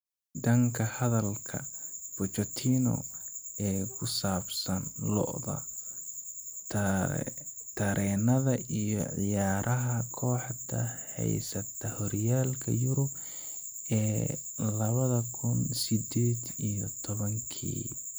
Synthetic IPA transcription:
d̪ɐŋkʰɐhɐðɐlkʰɐ̰b̥ɔt͡ʃɔt̪ʰiːnɔ̰ɛːkʰʊsaːbsɐnlɔ̰ʔðɐ̰ | t̪ʰɐɾʔɛːnɐðɐʔijɔʕɪ̰jaːɾʔɐɦɐkʰɔːħt̪ɐ̰hɛ̰jsɐt̪ʰɐhɔɾjaːlkʰɐ̰jʊɾʊb | ɛː | lɐβɐðɐkʰʊnsɪd̪ɛːd̪ijɔt̪ʰɔβɐŋkʰḭː

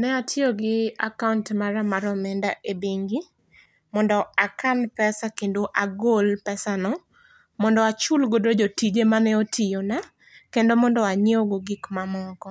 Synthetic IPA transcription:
nɛatʰjoɡɪa̰kauntmaɾamaɾɔmɛndaʔebeŋɡi | mɔndɔakanpɛsakendoʔaɡolpɛsanɔ | mɔndɔat͡ʃulɡodod͡ʒotid͡ʒemanɛotʰɪjona | kendomɔndɔaɲeoɡoɡɪkmamɔkɔ

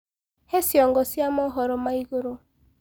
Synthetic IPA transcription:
hesjɔŋɡɔsjamɔɦɔɾɔmaiɡoɾo

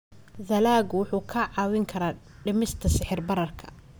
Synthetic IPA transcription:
ðɐlaːɡʊwʊħuːkʰɐʕɑːwɪŋkʰɐɾaː | ɖɪmɪst̪ʰɐsɪħɪrbɐɾɐrkʰɐ̥

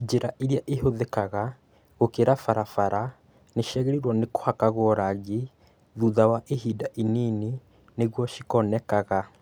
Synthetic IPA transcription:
d͡ʒeɾaʔiɾiaʔehoðekaɣa | ɣokeɾafaɾafaɾa | neʃɛɣɛɾiɾwɔneko̥hakaɣɔɾaɣe | ðuðawaʔehidaʔinini | neɣwɔʃikɔnɛkaɣa

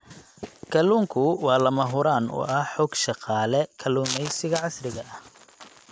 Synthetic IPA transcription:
kʰɐluːŋkʰʊwɑːlɐmɐɦʊɾaːnʊ̰ʔɐħɔːɡʃɑqɑːlɛkʰɐluːmɛjsɪɣɐʕɑsrɪɣɐʔɐh

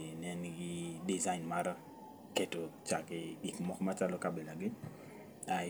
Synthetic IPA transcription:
nɛnɡɪdizaɪnmaɾa | ketot͡ʃakɪɡikmɔkmat͡ʃalɔkabelaɡɪ | a

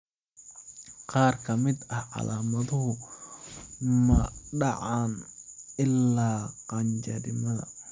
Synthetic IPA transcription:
qɑːrkʰɐmɪd̪ɐhʕɑ̰laːmɐðʊɦʊ | mɐɖɑʕɑnɪlːaːqɑɲt͡ʃɐɾɪmɐðɐ̰

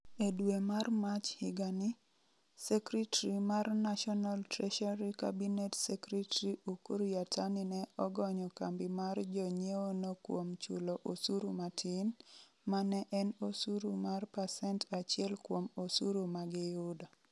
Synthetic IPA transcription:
edwemarmat͡ʃhɪɡanɪ | sɛkɾitaɾimarnaʃɔnaltɾɛʃaɾika̰binetsɛkɾitɾiukuɾjatʰanɪnɛɔɡɔɲɔkambɪmard͡ʒɔɲeonokwomt͡ʃṵloʔosuɾumatʰɪn | manɛʔɛnosuɾumarpasɛntat͡ʃɪɛlkwomosuɾumaɡɪjʊda

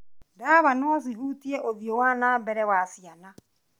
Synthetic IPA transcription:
daːβanɔθiɦuːtiɛʔoðiowaːnaːmbɛɾɛwasiana

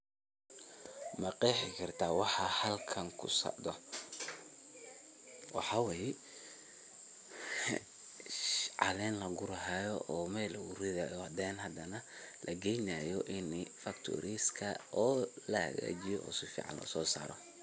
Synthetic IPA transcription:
mɐqɛjħɪkʰɐrt̪ʰaːwɑħɑhɐlkʰɐŋkʰʊ̰sɐ̰ʕd̪ɔ | wɑ̰ħɑwɛːjɛ | ʃʕɑ̰lɛːnlɐɡʊɾɐɦaːjɔʔɔːmɛlɐɡʊɾɪðajɔhɐd̪ɛːnɦɐd̪ɐnɐ | lʔɐɡɛjnaːjɔʔɪnfɐkt̪ʰɔ̰ɾiːskʰɐɔːlɐhɐ̰ɣa̰ːt͡ʃɪjɔʔɔ̰sɪfḭːʕɑ̰nlɐ̰sɔːsa̰ːɾɔ

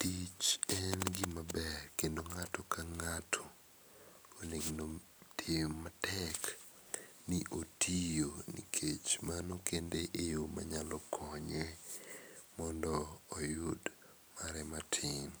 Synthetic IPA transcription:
tit͡ʃɛnɡɪmabɛrkendoŋatɔkaŋatʰɔ̥ | oneɡno | tʰematɛk | niʔotʰijonḭkʰet͡ʃmanokendeʔejoma̰ɲalɔkʰɔɲe | mɔndɔːjʊd | maɾɛmatʰɪŋ

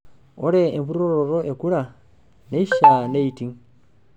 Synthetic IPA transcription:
oɾeːɱvuɾoɾoɾoʔekuɾa | neiʃaneitiŋ

